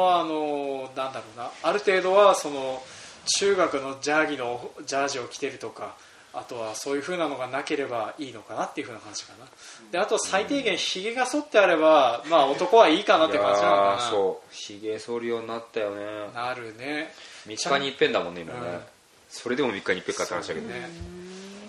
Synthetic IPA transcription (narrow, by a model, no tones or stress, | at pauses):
aːno̞nãnd̪aɾo̞ːnaːɾɯ̟t̪e̞ːd̪o̞βaso̞no̞t͡ɕɨːɡakɯ̟no̞d͡ʑaːɡʲino̞d͡ʑaːʑio̞kʲi̥t̪e̞ɾɯ̟t̪o̞ka̰ː | t̪o̞βaso̞ːjɯ̟ɸɯ̟ːnano̞ɡanake̞ɾe̞baiːno̞kanat̪ːeiɯ̟ɸɯ̟ːnakãɲ̟d͡ʑi̥kana | d̪̥e̞at̪o̞sait̪e̞ːɡẽ̞ɰ̃çiɡe̞ɡaso̞t̪ːe̞aɾe̞bamaːo̞t̪o̞ko̞βaiːkanat̪ːekãɲisoːçiɡesoɾɯjoːɲinat̪ːajo̞nenaɾɯ̟ne̞mʲikːaɲipːẽnd̪amonːeimañnḛ | so̞ɾe̞d̪e̞mo̞mʲikːaɲipːekat̪aɾaɕia̰kene